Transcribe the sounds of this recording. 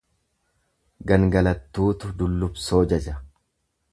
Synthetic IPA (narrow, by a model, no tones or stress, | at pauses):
ɡɐŋɡɐlɐt̪ːuːt̪ʊd̪ʊlːʊbso̞ːd͡ʒɐd͡ʒɐ